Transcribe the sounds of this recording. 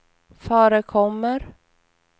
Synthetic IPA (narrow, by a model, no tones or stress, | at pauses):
fœːɾəkʰɔmːəɾ